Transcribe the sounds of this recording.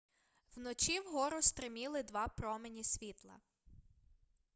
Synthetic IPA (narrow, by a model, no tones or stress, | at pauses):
wnɔt͡ʃʲiwɦɔɾʊst̪ɾɪmʲilˠɪd̪ʋɑpɾɔmenʲisʲʋʲit̪lˠɐ̰